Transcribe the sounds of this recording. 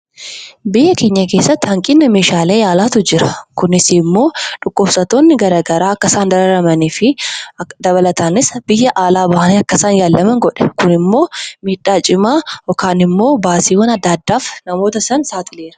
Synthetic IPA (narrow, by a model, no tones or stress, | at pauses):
bɪjːɐkeːɲːɐke̞ːsːɐt̪ːhɐŋkʼɪnːɐmeːʃaːle̞ːjaːlaːt̪ʊd͡ʒɪɾɐ̥kʊnɪsiːmːo̞ːᶑʊkʼːoːfsɐt̪o̞ːnːɪɡɐɾɐːɡɐɾaːɐkːɐsaːnd̪ɐɾɐɾɐmɐniːfɪd̪ɐβɐlɐt̪aːnɪsbɪjːɐʔaːlaːbɐhɐniːɐkːɐsaːnjaːlːɐmɐŋɡɔᶑɐ̥kʊnɪmːo̞ːmiːᶑaːt͡ʃʼɪmaːjɔkaːnɪmːo̞ːbaːsiːwɐnɐd̪ːaːd̪ːaːfnɐmo̞ːt̪ɐsɐnsaːt̪ɪle̞ːɾɐ̥